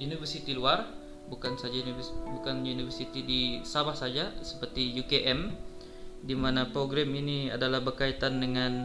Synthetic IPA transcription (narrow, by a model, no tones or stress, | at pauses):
unifərsit̪iluar | bukansad͡ʒaunibukanjunifərsit̪idisabahsad͡ʒasə̥pərt̪ijukeʔɛm | dimanapɾoɡɾaminia̰dalahbərkait̪andəŋan